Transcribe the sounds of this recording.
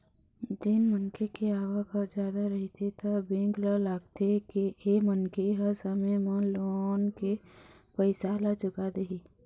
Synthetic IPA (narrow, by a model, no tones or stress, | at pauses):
d͡ʒɪnmənkekeaːwakad͡ʒjaːd̪aɾɐɦit̪ʰet̪abẽːŋɡlalaːɡ̚t̪ekeemənkeɦɐɾsəmemãloːnke | pəɪsaːlad͡ʒʊɡad̪eɦiː